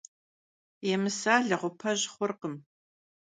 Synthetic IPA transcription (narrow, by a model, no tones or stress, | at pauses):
jɛmɨsaːɮɐʁʷʊpʰɐʑχʷʊrqəm